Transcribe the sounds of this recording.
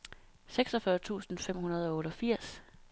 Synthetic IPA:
seɡ̥sɒfɶɐt͡sʰṵːsn̩fem̰hunɐð̞̩ˠɒ̽o̽ːɾɒfiɐ̰s

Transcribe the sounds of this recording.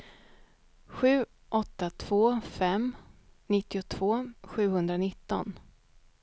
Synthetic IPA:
ɧʉ̟ː | ʔɔt̪ːat̪ʰv̥oːfɛmnɪt̪ːɪʊt̪ʰv̥oːɧʉ̟ːɦɵnd̪ɾanɪt̪ːɔ̰n

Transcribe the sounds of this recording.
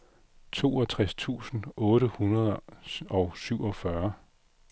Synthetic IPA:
t͡sʰo̝̰ːɒ̽t͡sʰʁast͡sʰṵːsn̩ɔ̽ːɾəhunɐð̞ˠɒ̽ʊsyʊ̰ɒ̽fɶɐ

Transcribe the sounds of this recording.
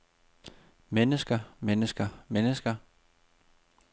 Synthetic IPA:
menəsɡ̥ɐmenəsɡ̥ɐmenəsɡ̥ɐ

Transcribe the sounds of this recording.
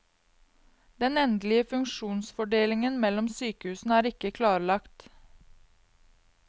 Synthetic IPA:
d̪̥ɛnɛnd̪l̩ɪəfʉŋʃuːnsfɔɖeːlɪŋənmɛlɔmsyːkəhʉːsn̩æːɾɪkəkʰlɑːɾlɑkt̪

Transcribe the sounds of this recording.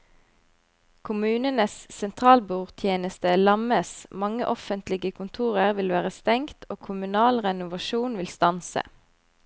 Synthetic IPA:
kʰʊmʉːnənəssɛnt̪ʰʁɑːlbuːʁt̪ʰjeːnəst̪əlɑməsmɑŋə̰ʔɔfənt̪lɪɡəkʰʊnt̪ʰuːʁəʁʋɪlʋæːʁəst̪ɛŋt̪ʰoːkʰʊmʉnɑːlʁɛnʊʋɑʃuːnʋɪlst̪ɑnsə̰

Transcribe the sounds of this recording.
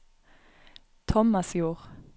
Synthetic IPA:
t̪ʰɔmɑsjuːʁ

